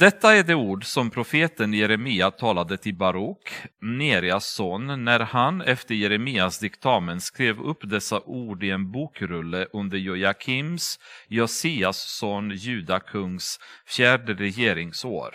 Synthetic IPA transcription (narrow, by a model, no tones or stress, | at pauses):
d̪̥ɛt̪ːaæɖɛuːɖsɔmpʰɾʊfeːt̪ənjɛɾɛmiːat̪ʰɑːlad̪ət̪ʰɪlbaɾɔkːneːɾɪasɔnːæɾhanɛft̪əɾjɛɾɛmiːasd̪ɪkt̪ʰɑːmənskɾeːvɵpːd̪ɛsːaʔuːɖɪɛnbuːkɾɵlːəʔɵnd̪əjɔjakʰɪmsjɔsiːasːɔnjʉ̟ːd̪akʰɵŋsfjæːɖəɾɛjeːɾɪŋso̰ːɾ